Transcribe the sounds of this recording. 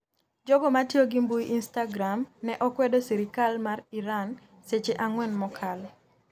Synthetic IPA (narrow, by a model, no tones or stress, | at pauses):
d͡ʒɔɡɔmatioɡimbuiʔinstaɡɾamnɛʔɔkwɛdosiɾikalmariɾan | set͡ʃeʔaŋwɛnmɔkʰal